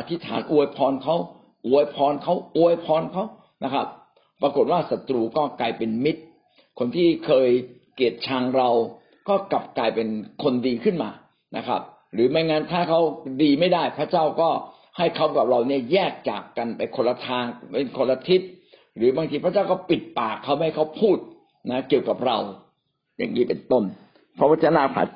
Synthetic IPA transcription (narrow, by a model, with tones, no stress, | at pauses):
ʔa˧t̪ʰi˦˥t̪ʰa̰ː˩˦nʔu˧əjpʰɔː˧nkʰa˦˥w | ʔu˧əjpʰɔː˧nkʰa˦˥wʔu˧˩əjpʰɔː˧˥nkʰa˦˥w | na˦˥kʰa˦˥p̚ː | ɾa˧ko˨˩t̪̚waː˥˩sa˨˧˦t̪ɾuː˧kɔː˥˩klaː˧jpe˧nmi˦˥t̪̚ | kʰo˧nt̪ʰiː˥˩kʰɤː˧j | ki˨˩ət̪̚t͡ɕʰaː˧ŋɾa˧w | kɔː˥˩ka˨˩p̚klaː˧jpe˧nkʰo˧ndiː˧kʰɯ˥˩nmaː˧ | nʔa˦˥kʰɾa̰˦˥p̚ | ɾɯː˩˦ma˧˥˩jŋaː˦˥nt̪ʰaː˥˩kʰa˦˥wdiː˧ma˥˩jda˥˩jpʰɾa˦˥t͡ɕaː˥˩wkɔː˥˩ | ha˥˩jkʰa˦˥wka˨˩p̚ɾa˧wni˥˩ɐjɛː˥˩k̚t͡ɕa̰ː˨˩kːa˧npa˧jkʰo˧lːa˧t̪ʰaː˧ŋpe˧nkʰo˧lːa˧t̪ʰi˦˥t̪̚ | ɾɯː˩˦baː˧ŋʰiː˧pʰa˦˥t͡ɕaː˥˩wkɔː˥˩pi˨˩t̪̚paː˨˩kʰːa˦˥wha˥˩jkʰa˦˥wpʰuː˥˩t̪̚ | na˦˥ki˨˩əwka˨˩p̚ɾa˧w | ja̰ː˨˩ŋniː˦˥˩pe˧nt̪o˥˩n | pʰɾɔ˦˥pa˦˥t͡ɕaː˥˩naː˧˩pʰa̰˨˦˩